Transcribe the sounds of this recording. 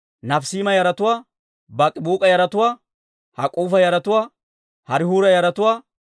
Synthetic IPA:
nɐfsiːmɐjɐɾɐt̪ʊwaː | bɐkʼɪbuːkʼɐjɐɾɐt̪ʊwaː | hɐkʼuːfɐjɐɾɐt̪ʊwaː | hɐɾɪhuːɾɐjɐɾɐt̪ʊwaː

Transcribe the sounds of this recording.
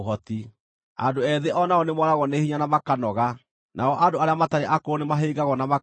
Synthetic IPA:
ɦɔt̪i | a̰doɛðeʔɔnaɔnemwɔɾaɣɔnehiɲanamakanɔɣa | nʔa̰ɔʔandoaɾeamataɾeʔakoonemaɦeːɡaɣɔnama

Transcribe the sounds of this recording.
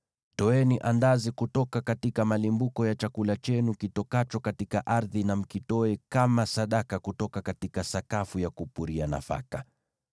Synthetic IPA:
tɔɛniʔandazikutɔkakatikamalimbukɔjat͡ʃakulat͡ʃɛnukitɔkat͡ʃɔkatikaʔaɾðinam̩kitɔɛkamasaɗakakutɔkakatikasakafujakupuɾiana̰fa̰ka

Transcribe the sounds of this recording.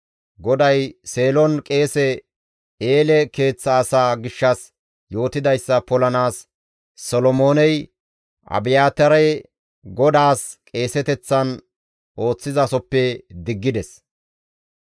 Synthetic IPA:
ɡɔd̪ɐjse̞ːlɔnkʼe̞ːsɛ | eːlɛke̞ːt͡sːɐːsaːɡɪʃːɐs | jo̞ːt̪ɪd̪ɐjsːɐpɔlɐnaːs | sɔlɔmo̞ːnɛj | ʔɐ̰bɪjaːt̪ɐɾɐj | ɡɔd̪aːskʼe̞ːsɛt̪ɛt͡sːɐn | ʔo̞ːt͡sːɪzɐsɔpːɛd̪ɪɡːɪd̪ɛs

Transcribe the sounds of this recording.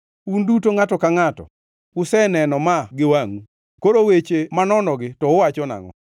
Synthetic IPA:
undutoŋatɔkaŋatɔ̰ | ʊsɛnɛnɔmaɡɪwaŋu | koɾowet͡ʃemanɔnɔɡɪtɔʊwat͡ʃɔna̰ŋɔ̰

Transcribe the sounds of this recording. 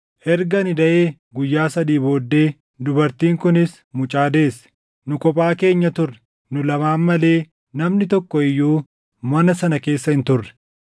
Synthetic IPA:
ʔɛɾɡɐnɪd̪ɐʔeː | ɡʊjːaːsɐd̪iːbo̞ːd̪ːe̞ː | d̪ʊbɐɾt̪iːŋkʊnɪs | mʊt͡ʃʼaːd̪e̞ːs | nʊkɔpʼaːke̞ːɲːɐt̪ʊrːɛ̥ | nʊlɐmaːnmːɐle̞ː | nɐmnɪt̪ɔkːɔɪjːuː | mɐnɐsɐnɐke̞ːsːɐɪnt̪ʊrːɛ̥

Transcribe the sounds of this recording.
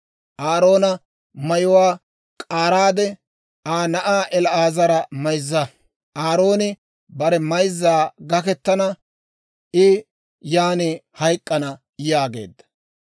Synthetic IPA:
ʔaːɾo̞ːnɐ | mɐjʊwaː | kʼaːɾaːd̪ɛ | aːnɐʔaːʔɛlɐaːzɐɾɐmɐjzːɐ | ʔaːɾo̞ːnɪ | bɐɾɛmɐjzːaːɡɐkɛt̪ːɐnɐ | ʔɪ | jaːnɪhɐjkʼːɐnɐ | jaːɡe̞̰ːd̪ːɐ̥

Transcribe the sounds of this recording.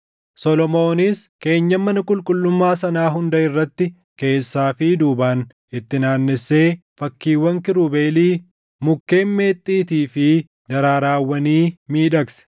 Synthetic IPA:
sɔlɔmo̞ːnɪske̞ːɲːɐmːɐnɐkʼʊlkʼʊlːʊmːaːsɐnaːɦʊnd̪ɐɪrːɐt̪ːɪ | ke̞ːsːaːfɪd̪uːbaːn | ɪt̪ːɪnaːnːɪsːe̞ː | fɐkːiːwɐŋkɪɾubeːliː | mʊkːe̞ːnme̞ːt̪ʼːiːt̪iːfɪ | d̪ɐɾaːɾaːwːɐniːmiːᶑɐksɛ̥

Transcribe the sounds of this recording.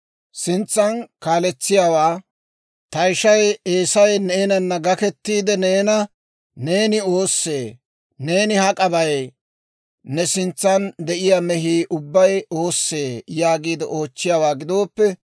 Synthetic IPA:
sɪnt͡sːɐnkaːlɛt͡sːɪjaːwaː | t̪ɐjʃɐjeːsɐjneːnɐnːɐɡɐkɛt̪ːiːd̪ɛne̞ːnɐ | ne̞ːnɪo̞ːsːe̞ː | ne̞ːnɪhɐkʼɐbɐj | nɛsɪnt͡sːɐnd̪ɛʔɪjamɛɦiːʔʊbːɐjo̞ːsːe̞ːjaːɡiːd̪ɛʔo̞ːt͡ʃːɪjaːwaːɡɪd̪o̞ːpːɛ

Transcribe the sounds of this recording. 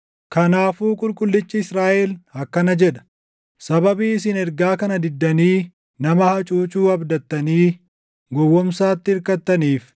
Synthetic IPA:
kɐnaːfuːkʼʊlkʼʊlːɪt͡ʃːɪɪsɾaːʔɛlhɐkːɐnɐd͡ʒɛᶑɐ̥ | sɐbɐbiːɪs̬ɪnɛɾɡaːkɐnɐd̪ɪd̪ːɐniː | nɐmɐhɐt͡ʃʼuːt͡ʃʼuːɐbd̪ɐt̪ːɐniː | ɡɔwːɔmsaːt̪ːɪɪɾkɐt̪ːɐniːf

